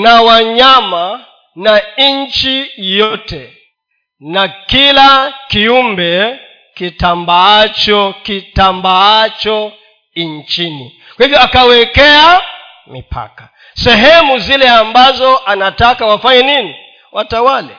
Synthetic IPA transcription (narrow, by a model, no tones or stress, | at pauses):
nawaɲama | naɲt͡ʃijɔtɛ | nakilakiumbɛ | kitambaat͡ʃɔkitambaat͡ʃɔ | iɲt͡ʃini | kwahivjɔakawɛkɛa | mipʰa̰kḁ | sɛɦɛmuzilɛambazɔʔanatakawafaɲɛnini | watawalɛ̰